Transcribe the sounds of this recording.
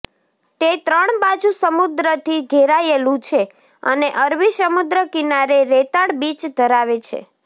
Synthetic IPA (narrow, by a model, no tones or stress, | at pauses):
t̪et̪ɾəɳbad͡ʒusəmud̪ɾət̪ʰiɡʱeɾajelũt͡ʃʰe | ə̰neʔəɾʋisəmud̪ɾəkinaɾeɾet̪aɽbit͡ʃd̪ʱəɾaʋet͡ʃʰḛ